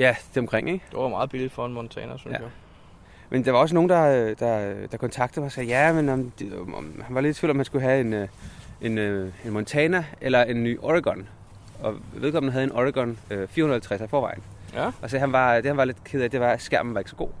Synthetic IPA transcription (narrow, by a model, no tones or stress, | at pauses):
jæd̥eɒ̽mkʰʁeŋ̰eɡ̥d̥eʋɑmɑ̈ːð̩ˠb̥ilid̥fɒe̝nmɔnt͡sʰɛ̰ːnɐsynjæ | mʔend̥ɑʋɑ̈ɒ̽s̬əno̝ːn̩d̥ɑ̈ød̥ɑød̥ɑ̈kʰɒ̽nt͡sʰɑ̈ɡ̥d̥ð̩ˠmɑsɛ̰ːjæmenmd̥hænʋɑ̈led̥sfylɒ̽mhænsɡ̥uɦæe̝n | e̝nøe̝nmɔnt͡sʰɛːnɐelɐe̝nːy̰ːʔɒʁiɡ̥ɒ̽n | ɒ̽ʋe̝ðˠkʰɒ̽mnəɦæðˠe̝nʔɒʁiɡ̥ɒ̽nøfiɐhunɐhæl̩ˠt͡sʰʁæsæfɒːʋɑ̈ɪn̩ | ʔɒ̽sɛɦænʋɑ̈d̥e̝hænʋɑ̈le̝d̥kʰe̝ð̞̩̰ˠæd̥e̝ʋɑ̈æsɡ̥æɐ̰mn̩ʋɑ̈e̝ɡ̥sɒ̽ɡ̥o̝̰ː